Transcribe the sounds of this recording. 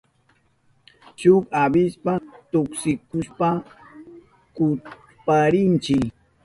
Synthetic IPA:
t͡ʃʊkabɪspat̪ʊksɪkʊspa | kʊ | paɾɪnt͡ʃɪ

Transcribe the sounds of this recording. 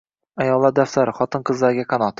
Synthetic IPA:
ajɒlˠlːaɾd̪afsaɾɪχɒt̪ʰɨnqʰɨzlaɾɡʲakʰɑnɒt̪

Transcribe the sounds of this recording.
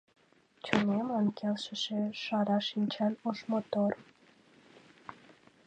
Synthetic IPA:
t͡ɕonemɑnkʰelʃə̆ʃeʃɑɾɑʃint͡ɕænoʃmot̪or

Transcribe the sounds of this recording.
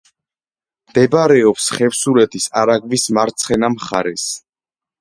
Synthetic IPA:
md̪̥ɛbɾɛɔpsχɛfsuɾɛt̪ʰisaɾaɡvismaɾt̪sʰχɛnamχaɾɛs

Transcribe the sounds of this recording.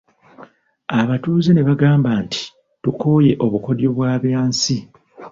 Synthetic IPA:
aβatuːzene̞βaɡaːmbaːntʰi̥ | tuko̞ːje̞ʔo̞βuko̞djoβwaːβjaːnsi

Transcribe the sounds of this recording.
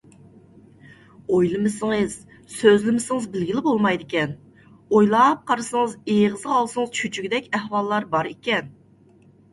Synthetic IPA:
ojlˠɨmɨsɪŋɨz̥ | søzlɪmɪsɪŋɨzbɪlɡʲilɪbolˠmɑjd̪ɪkʲɛn | ojlˠɑp̚qʰɑɾɨsəŋəzeʁəzɑlˠsɨŋɨzt͡ʃʰyt͡ʃʰyɡʲd̪ɛkʲɛhwɑlˠːɑɾbɑɾekʲɛn

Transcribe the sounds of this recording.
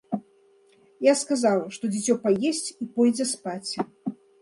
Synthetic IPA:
jaskazawʂt̪ɔd͡zʲit͡sʲɔpajesʲt͡sʲipɔjd͡zʲɛspat͡sʲ

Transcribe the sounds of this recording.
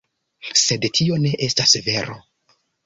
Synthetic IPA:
se̞dtʰio̞ne̞ʔe̞stasve̞ɾo̰

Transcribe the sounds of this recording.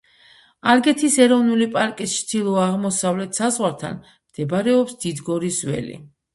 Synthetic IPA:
aɾɡɛt̪ʰisɛɾɔvnulipʼaɾkʼist͡ʃʰd̪̥ilˠɔaʁmɔsavlɛt̪ʰsazʁwaɾt̪ʰa̰n | md̪̥ɛbaɾɛɔpsd̪̥id̪ɡɔɾizwɛ̰lḭ

